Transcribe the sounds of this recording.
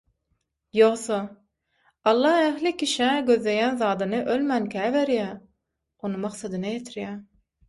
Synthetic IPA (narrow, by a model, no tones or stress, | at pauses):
joχso | ɑlˠːɑːæxlikʲiʃæɡøðle̞jænðɑːd̪ɯnɯʔølmænkʲʰæːveɾjæ | onɯmɑqsɑd̪ɯnɑjet̪ʰiɾjæː